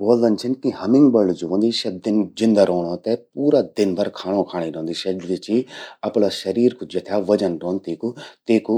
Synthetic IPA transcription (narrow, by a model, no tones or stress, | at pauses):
ʋoːlənt͡ʃʰɪnkiɦɐmɪ̃ŋɡbəlɖd͡ʒoʋə̃nd̪iːʃɐd̪ɪnd͡ʒɪ̃nd̪aːɾɔːɽ̃õːt̪ɛpuːɾaːd̪ɪnbɐɾkʰaːɽ̃õːkʰaːɽ̃eːɾɔ̃ːnd̪iːʃɛɖʋɪt͡ʃiːɐpɽaːʃɐɾiːɾkʰud͡ʒɐt̪ʰjaːʋɐd͡ʒənɾɔ̃ːnt̪iːkut̪eːku